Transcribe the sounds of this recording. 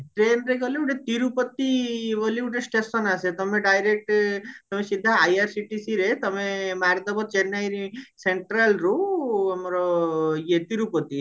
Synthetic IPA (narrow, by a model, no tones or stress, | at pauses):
ʈɾenɾeɡɔleuʈet̪iɾupɔt̪ːibɔliuʈesʈesɔnaset̪ɔmeɖajɾek̚ʈt̪ɔmesid̪ʱːaajaɾsiʈisiɾet̪ɔmemaɾd̪ɔbɔt͡ʃenajɾiseɳʈɾalɾuɔmɾɔjet̪iɾupɔt̪i